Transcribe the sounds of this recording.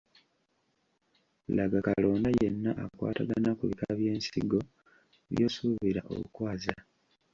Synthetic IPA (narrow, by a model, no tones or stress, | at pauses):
laɡakalo̞ːndajenːaʔakwa̰ːtaɡanakuβikaβje̞ːnsiɡo̞ | βjo̞ːsuːβiɾaʔo̞̰βṵkwaːza